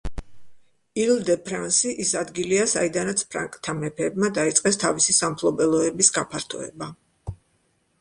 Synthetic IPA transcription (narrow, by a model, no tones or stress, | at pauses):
ild̪ɛpʰɾansiʔisad̪ɡiliasa̰id̪anat̪sʰpʰɾa̰ŋkʼt̪ʰamɛpʰɛːbmad̪ait̪sʼqʼɛst̪ʰavisisampʰlˠɔbɛlˠɔɛbisɡapʰaɾt̪ʰɔ̰ɛ̰ba